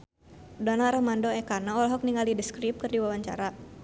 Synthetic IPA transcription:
dɔnaɾɔmandoɛkanaɔlɦɔk̚niŋalidəskɾip̚kɨrdiwawaɲt͡ʃa̰ɾa

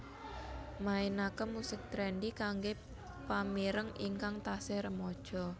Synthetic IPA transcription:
maenakəmusɪk̚t̪ɾɛnɖikaŋɡe | pamiɾəŋḭŋkaŋt̪aseɾəmɔd̥ʒ̥ɔ̤

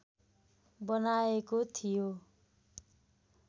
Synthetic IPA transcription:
bʌnaekot̪ʰijo

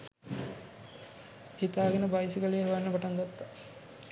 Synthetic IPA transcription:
hit̪aːɡenəbajsikəlejəɦuʋanːəpaʈaŋɡot̪ːa

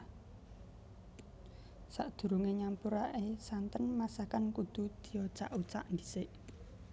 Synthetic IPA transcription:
saʔd̪̥ṳɾuŋeɲampuɾaʔesant̪ənmasakankud̪̥ṳd̪̥i̤jot͡ʃaʔut͡ʃa̰ʔnd̪isɪʔ

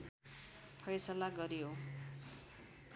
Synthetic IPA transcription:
pʰʌjsʌlaɡʌɾiɦo

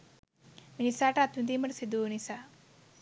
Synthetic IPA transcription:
minisaʈat̪und̪imɐɾsid̪unisa

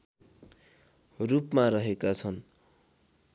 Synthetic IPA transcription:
rupmaɾʌɦekat͡sʰʌn

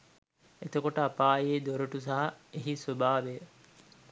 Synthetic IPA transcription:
et̪okoʈəapaːjeːd̪oɾuʈusɐɦɐeɦisobaːʋeː

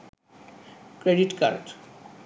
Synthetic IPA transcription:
kɾeɖiʈka̰ɾɖ

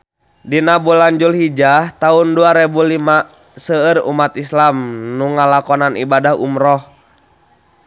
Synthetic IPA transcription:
dinabulaɲd͡ʒulhid͡ʒaht̪aunduaɾɛbulima | səərṵmat̪islamnuŋalakɔnanḭbadaɦṵmɾɔh

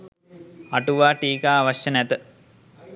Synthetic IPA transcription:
ɐʈuʋaːʈiːkaːʋɐʃjɐnɛt̪ə

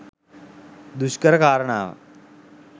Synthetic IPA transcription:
d̪uʃkəɾɐkaːɾɳa̰ːʋ̰

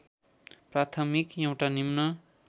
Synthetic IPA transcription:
prat̪ʰʌmikjʌ̃w̃ʈanimnʌ

